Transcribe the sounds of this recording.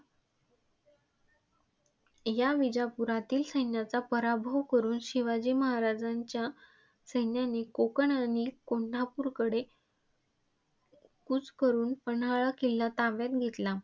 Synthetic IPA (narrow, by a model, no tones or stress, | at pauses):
jaʋid͡ʑapuɾat̪iːlsəjnjat͡sapəɾabʱəʋkəɾuːnɕiʋad͡ʑiːməɦaɾad͡zaɲt͡ɕja | səjnjanekokəɳanikoɳ̤apuːɾkəɽe | kut͡skəɾuːnpənaɭakilːat̪ãʋjat̪̚ɡʱet̪la